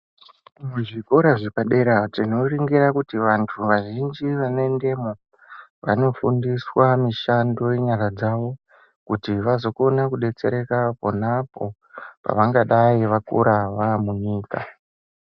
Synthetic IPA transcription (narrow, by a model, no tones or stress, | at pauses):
muʐiko̞ɾaʐepaɗe̞ɾatino̞riŋɡiɾakutiʋantʰuʋaʒind͡ʒiʋane̞nde̞mo | ʋa̰no̞fundiswamiʃando̞jeɲaɾad͡zaʋo̞ | kutiʋazo̞ko̞nakuɗe̞t͡se̞̰ɾe̞kapo̞napo̞ | pa̰ʋaŋɡaɗaiʋakṵɾaʋaːmuɲiːka̰